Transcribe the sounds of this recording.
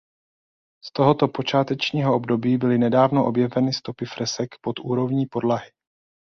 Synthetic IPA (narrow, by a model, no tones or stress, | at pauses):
st̪o̞ɦot̪o̞po̞t͡ʃaːt̪ɛt͡ʃɲiːɦoʔo̞bdo̞biːbɪlɪnɛdaːvnoʔo̞bjɛvɛnɪst̪o̞pɪfɾɛsɛkpo̞t̪ʔuːɾo̞vɲiːpo̞dlaɦɪ